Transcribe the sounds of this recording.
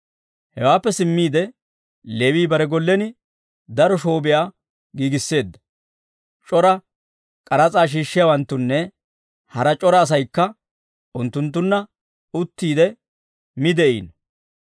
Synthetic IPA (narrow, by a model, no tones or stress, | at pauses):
hɛ̰waːpːɛsɪmːiːd̪ɛ | lewiːbɐɾɛɡɔlːɛnɪ | d̪ɐɾɔʃo̞ːbɪjaː | ɡiːɡɪsːe̞ːd̪ːɐ̥ | t͡ʃʼɔɾɐ | kʼɐɾɐt͡sʼaːʃ̬iːʃːɪjawɐnt̪ːʊnːɛ | hɐɾɐt͡ʃʼɔɾɐːs̬ɐjkːɐ | ʔʊnt̪ːʊnt̪ːʊnːɐ | ʊt̪ːiːd̪ɛ | mɪd̪ɛʔḭːn